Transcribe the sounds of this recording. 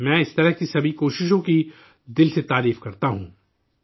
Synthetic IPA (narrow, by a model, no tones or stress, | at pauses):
mɛ̃ːɪst̪ɐɾəɦkisɐbʱikoːʃɪʃõki | d̪ɪlset̪aːɾiːfkɐɾt̪aɦũː